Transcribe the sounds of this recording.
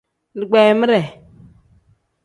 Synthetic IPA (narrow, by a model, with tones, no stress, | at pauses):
ni˨ɡ͡be˨mə˦ɾe˨